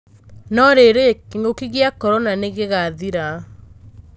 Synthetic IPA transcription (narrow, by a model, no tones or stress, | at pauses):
nɔɾeɾekiŋokiɣiakɔɾɔnaneɣeɣaðiɾa